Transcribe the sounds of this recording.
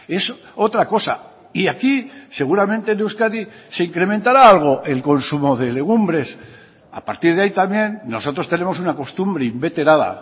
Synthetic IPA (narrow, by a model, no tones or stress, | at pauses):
e̞s | o̞t̪ɾako̞sa̰ | iakise̞ɣ̞uɾamẽ̞nt̪enewskaðise̞iŋkɾe̞ment̪aɾaalɣ̞o̞ʔe̞lko̞nsumo̞ðe̞le̞ɣ̞umbɾe̞s | a̰paɾt̪iɾð̞eait̪amje̞nːo̞so̞t̪ɾo̞st̪e̞ne̞mo̞s̬unako̞st̪umbɾeimbe̞t̪e̞ɾaða̰